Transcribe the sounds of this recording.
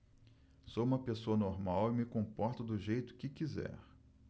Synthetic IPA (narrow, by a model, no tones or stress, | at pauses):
sowũmɐpesoɐnoɾmawɪmɪkõpɔɾt̪ʊd̪ʊʒejt̪ʊ̥kɪkizɛ̰ɾ